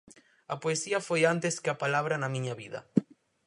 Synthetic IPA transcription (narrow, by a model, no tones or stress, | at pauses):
ɐpoesiɐfojant̪eskeɐpalaβɾɐnɐmĩɲɐβiðɐ̰